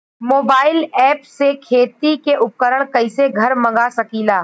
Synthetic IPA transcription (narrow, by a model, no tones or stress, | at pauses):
moːbaːɪlɛːpsekʰeːt̪ikeʔʊp̚kəɾəɽ̃kɐɪseɡʱɐɾmɐ̃ŋɡasɐkiːlaː